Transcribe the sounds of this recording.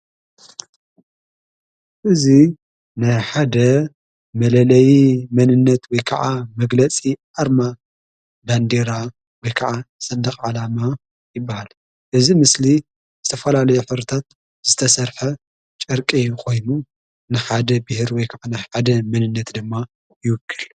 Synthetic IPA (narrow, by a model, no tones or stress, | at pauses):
ʔɨzi | najħad̪ɐ | mɐlɐlɐjimɐnɨnːɐt̪wɔjkʰɐʕamɐɡlɐt͡sʼiʔaɾma | band̪eɾa | wɔjkʰɐaʕasɐnd̪ɐχʼʕalama | jɪbːahal | ʔɨzimɨsli | zɨt̪ʰɐfɐlalɐjuħɨβɾɨt̪ʰat̪̚ | z̥ɨt̪ʰɐsɐɾħɐ | t͡ʃʼɐɾkʼikʰo̞jnu | nɨħad̪ɐbɨhɨɾwɔjkʰaʕanajħad̪ɐmɐnɨnːɐt̪d̪ɨmːa | jɪwɨkʰːɨl